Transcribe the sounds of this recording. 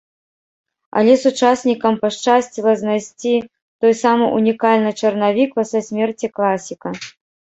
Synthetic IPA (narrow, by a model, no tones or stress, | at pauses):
ɐ̰lʲɛsut͡ʂasʲnʲikɐmpɐʂt͡ʂasʲt͡sʲilˠɐznajsʲt͡sʲi | t̪ɔjsamɨʔunʲikalʲnɨt͡ʂɐrnavʲikpɐsɛsʲmʲɛrt͡sʲiklˠasʲikɐ